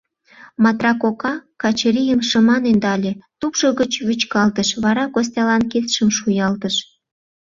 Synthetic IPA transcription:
mɑt̪rɑkokɑkɑt͡ɕeɾijəmʃə̆mɑnend̪ɑlʲet̪upʃoɣət͡ɕβyt͡ɕkɑlt̪əʃβɑɾɑkos̬ʲt̪ʲɑlɑnket̪ʃəmʃujɑlt̪əʃ

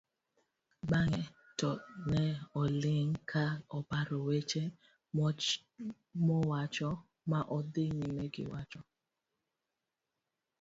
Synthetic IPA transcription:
ɡ͡baŋɛ | tɔnɛɔlɪŋkʰaɔpaɾɔwet͡ʃe | mɔwat͡ʃɔ | maʔɔdeɲimeɡɪ̰wat͡ʃɔ

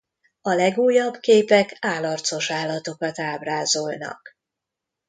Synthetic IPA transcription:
ɒlɛɡuːjːɒbkeːpɛkaːlɒrt̪so̞ʃaːlːɒt̪o̞kɒt̪aːbraːzo̞lnɒ̰k

